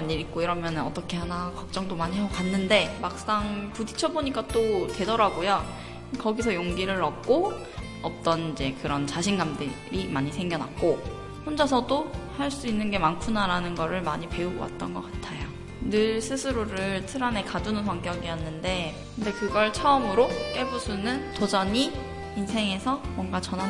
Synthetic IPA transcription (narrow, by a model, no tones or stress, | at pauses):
aɲːiɾik̚k͈oiɾʌmjʌnɯnʌt͈ʌkʰe̞hanakʌk̚t͡ɕ͈ʌŋdomaɲiɦeokanːɯnde̞mak̚s͈aŋpudit͡ɕʰʌboɲik͈at͈otwe̞dʌɾaɡojo | kʌɡisʰʌjoŋɡiɾɯɾʌk̚k͈o | ʌp̚t͈ʌnid͡ʑe̞kɯɾʌnt͡ɕaɕʰinɡamdɯɾimaɲisʰe̞ŋɡjʌna̰k̚k͈o | ɸond͡ʑʌsʰʌdohaɭs͈uinːɯnɡe̞mankʰunaɾanɯnɡʌɾɯɭmaɲipe̞uɡowa̰t̚t͈ʌnɡʌk͈atʰajo | nɯɭsʰɯsʰɯɾoɾɯɭtʰɯɾane̞kadunɯnsʰwaŋk͈jʌɡijʌnːɯnde̞ | kɯnde̞kɯɡʌɭt͡ɕʰʌɯmɯɾok͈eɭbusʰunɯntod͡ʑʌɲiː | nsʰe̞ŋe̞sʰʌmwʌnɡat͡ɕʌna